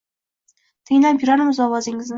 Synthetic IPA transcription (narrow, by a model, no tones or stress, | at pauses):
t̪ʰɪŋʲlapjʊɾaɾmɪzɒwɒzɪŋɪzn